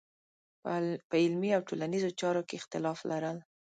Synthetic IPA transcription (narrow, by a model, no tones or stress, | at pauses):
pəɪlmiawʈolanizot͡ʃɑɾokeɪxt̪ɪlɑflʔaɾəl